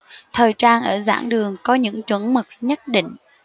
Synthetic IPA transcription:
t̪ʰəː˨˩jt͡ɕaː˧nʔəː˧˩za̰ː˧˥ŋɗɨ˨˩əŋkɔ˨˦ɲɨ̰˧˥ŋt͡ɕwə˨˧˦nmɨ˨˩k̚ɲə˦˥t̚ɗḭ˧˨ŋ̟

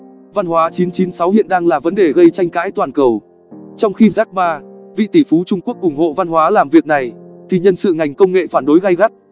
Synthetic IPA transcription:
va˧nhwaː˨˦t͡ɕi˨˦nt͡ɕi˨˦nsa˨˦whḭ˧˨ənɗaː˧ŋlaː˨˩və˨˦nɗe˨˩ɣə˧jt͡ɕa˧jŋ̟ka̰ː˧˥jt̪waː˨˩nkə˨˩w | t͡ɕɔ˧wŋ͡mxi˧zaː˦˥k̚ɓaː˧vḭ˧˨t̪i˧˩fu˨˦t͡ɕʊ˧ŋ͡mku˦˥ək̚ʔʊ˧˩ŋ͡mho̰˧˨va˧nhwaː˨˦laː˨˩mvi˨˩ək̚na˨˩jt̪ʰi˨˩ɲə˧nsɨ̰˧˨ŋa˨˩jŋ̟kə˧wŋ͡mŋḛ˧˨faː˧˩nɗo˨˦jɣa˧jɣa˦˥t̚

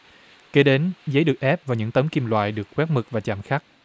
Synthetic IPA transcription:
ke˨˦ɗe˨˦nzə˨˦jɗɨ˨˩ək̚ʔɛ˦˥p̚vaː˨˩ɲɨ̰˧˥ŋt̪ə˨˦mki˧mlwa̰ː˧˨jɗɨ˨˩əkːwɛ˦˥t̚mɨ˨˩k̚vaː˨˩t͡ɕa̰ː˧˩mxa˦˥k̚

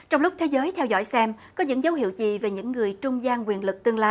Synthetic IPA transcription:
t͡ɕɔ˧wŋ͡mlʊ˦˥k͡p̚t̪ʰe˨˦zəː˨˦jt̪ʰɛ˧wzɔ̰ː˧˥˩jsɛ˧m | kɔ˨˦ɲɨ̰˧˥ŋzə˨˦wɦi˧˨əwt͡ɕḭ˧˨ve˨˩ɲɨ̰˧˥ŋːɨ˨˩əjt͡ɕʊ˧ŋ͡mzaː˧ŋkwi˨˩ənlɨ˨˩k̚t̪ɨ˧əŋlaː˧

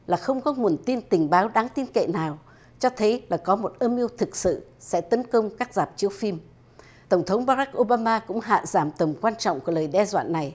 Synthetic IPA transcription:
laː˨˩xə˧wŋ͡mkɔ˨˦ŋu˨˩ənt̪i˧nt̪ï˨˩ŋ̟ɓaː˨˦wɗaː˨˦ŋt̪i˧nkḛ˧˨naː˨˩w | t͡ɕɔ˧t̪ʰə˨˦jlaː˨˩kɔ˨˦mo˨˩t̚ʔəː˧mʔi˧əwt̪ʰɨ˨˩k̚sɨ̰˧˨sɛ̰˧˥t̪ə˨˦nkə˧wŋ͡mkaː˦˥k̚zaː˨˩p̚t͡ɕi˨˦əwfi˧m | t̪ə˧˩wŋ͡mt̪ʰə˨˦wŋ͡mɓaː˧ɾa˦˥k̚ʔo˧ɓaː˧maː˧kʊ̰˧˥ŋ͡mɦa̰ː˧˨zaː˧˩mt̪ə˨˩mkwaː˧nt͡ɕɔ̰˧˨wŋ͡mkələː˨˩jɗɛ˧zwa̰ː˧˨nːa˨˩j

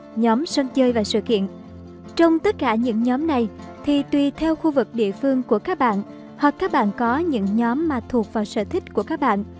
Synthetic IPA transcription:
ɲɔ˨˦msə˧nt͡ɕəː˧jvaː˨˩sɨ̰˧˨kḭ˧˨ən | t͡ɕɔ˧wŋ͡mt̪ə˦˥t̚kaː˧˩ɲɨ̰˧˥ŋɲɔ˨˦mna˨˩j | t̪ʰi˨˩t̪wi˨˩t̪ʰɛ˧wxu˧vɨ˨˩k̚ɗḭ˧˨əfɨ˧əŋku˧˩əkaː˦˥k̚ɓa̰ː˧˨n | hwa˨˩k̚kːaː˦˥k̚ɓa̰ː˧˨nkɔ˨˦ɲɨ̰˧˥ŋɲɔ˨˦mːaː˨˩t̪ʰu˨˩ək̚vaː˨˩wsə̰ː˧˩t̪ʰï˦˥k̟̚ku˧˩əkaː˦˥k̚ɓa̰ː˧˨nʔ

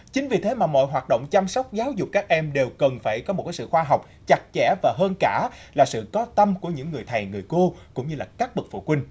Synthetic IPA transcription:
t͡ɕï˨˦ŋ̟vi˨˩t̪ʰe˨˦maː˨˩mɔ̰˧˨jɦwaː˨˩t̚ɗo̰˧˨wŋ͡mt͡ɕa˧msɔ˦˥wk͡p̚zaː˨˦wzʊ˨˩k͡p̚kaː˦˥k̚ʔɛ˧mɗe˨˩wkə˨˩nfaː˧˩jkɔ˨˦mo˨˩t̚kaː˨˦sɨ̰˧˨xwaː˧ɦa˨˩wk͡p̚ | t͡ɕa˨˩k̚t͡ɕɛ̰˧˩vaː˨˩ɦəː˧nkaː˧˩laː˨˩sɨ̰˧˨kɔ˨˦t̪ə˧mku˧˩əɲɨ̰˧˥ŋːɨ˨˩əjt̪ʰa˨˩jŋɨ˨˩əjko˧kʊ̰˧˥ŋ͡mɲɨ˧laː˨˩kaː˦˥k̚ɓɨ˨˩k̚fṵ˧˨kwi˧ŋ̟

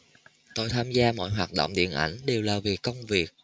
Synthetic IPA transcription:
t̪o˧jt̪ʰaː˧mzaː˧mɔ̰˧˥˨jɦwaː˨˩t̚ɗo̰˧˨wŋ͡mɗḭ˧˨ənʔa̰˧˩jŋ̟ɗe˨˩wlaː˨˩vi˨˩kːə˧wŋ͡mvi˨˩ək̚

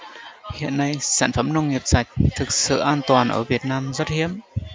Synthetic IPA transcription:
hḭ˧˨ənːa˧jsa̰ː˧˩nfə˧˩mnə˧wŋ͡mŋi˨˩p̚sa˨˩jk̟̚t̪ʰɨ˨˩k̚sɨ̰˧˨ʔaː˧nt̪waː˨˩nʔə̰ː˧˩vi˨˩ət̚naː˧mzə˦˥t̚hi˧˦˥əm

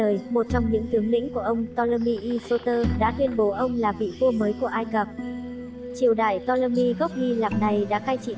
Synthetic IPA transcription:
əː˨˩jmo˨˩t̚t͡ɕɔ˧wŋ͡mɲɨ̰˧˥ŋt̪ɨ˨˦əŋlḭ̈˧˥ŋku˧˩əʔə˧wŋ͡mt̪ɔ˧lə˧mi˧ʔi˧so˧t̪əː˧ɗa̰ː˧˥t̪wi˧ənɓo˨˦ʔə˧wŋ͡mlaː˨˩ɓḭ˧˨vu˧məː˨˦jku˧˩əʔaː˧jkə˨˩p̚ | t͡ɕi˨˧˩əwɗa̰ː˧˨˩jt̪ɔ˧ləː˧mi˧ɣɔ˦˥k͡p̚ni˧laː˨˩k̚na˨˩jɗa̰ː˧˥xaː˧jt͡ɕḭ˧˨

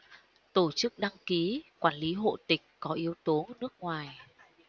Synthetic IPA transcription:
t̪o˧˩t͡ɕɨ˦˥k̚ɗa˧ŋki˨˦kwaː˧˩nli˨˦ɦo̰˧˨t̪ï˨˩k̟̚kɔ˨˦ʔi˨˦əwt̪o˨˦nɨ˦˥ək̚ŋwaː˨˩j

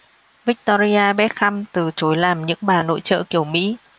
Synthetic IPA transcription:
vi˦˥k̚t̪ɔ˧ɾi˧aː˧ɓɛ˦˥t̚xa˧mt̪ɨ˨˩t͡ɕo˨˦jlaː˨˩mɲɨ̰˧˥ŋɓaː˨˩no̰˧˥jt͡ɕə̰ː˧˨ki˧˩əwmḭ˧˥

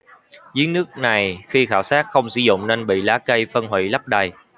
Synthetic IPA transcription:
zi˨˦ənɨ˦˥ək̚na˨˩jxi˧xaː˧˩wsaː˦˥t̚xə˧wŋ͡msi˧zʊ̰˧˨wŋ͡mneː˧nɓḭ˧˨laː˨˦˥kə˧jfə˧nɦwḭ˧˨la˦˥p̚ɗa˨˩j

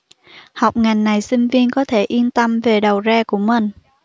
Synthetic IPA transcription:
ha˨˩wk͡p̚ŋa˨˩jŋ̟na˨˩jsï˧ŋ̟vi˧ənkɔ˨˦t̪ʰe˧˩ʔi˧ənt̪ə˧mve˨˩ɗə˨˩wzɛ˧ku˧˩əmə˨˩n

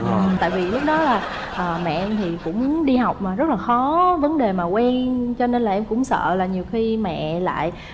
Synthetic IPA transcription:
ʔɨ˨˩t̪a̰ː˧˨jvi˨˩lʊ˦˥k͡p̚ɗɔ˨˦laː˨˩ | ʔəː˨˩mɛ̰˧˨ʔɛ˧mt̪ʰi˨˩kʊ̰˧˥ŋ͡mɗi˧ɦa˨˩wk͡p̚maː˨˩zə˦˥t̚laː˨˩xɔ˨˦və˨˦nɗe˨˩maː˨˩kwɛ˧nt͡ɕɔ˧ne˧nlaː˨˩ʔɛ˧mkʊ̰˧˥ŋ͡msə̰ː˧˨laː˨˩ɲi˨˩əwxi˧mɛ̰˧˨la̰ː˧˨j

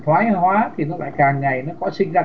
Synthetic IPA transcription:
t̪ʰwaː˨˦jɦwaː˨˦t̪ʰi˨˩nɔ˨˦la̰ː˧˨jkaː˨˩ŋŋa˨˩jnɔ˨˦kɔ˨˦sï˧ŋ̟zaː˧

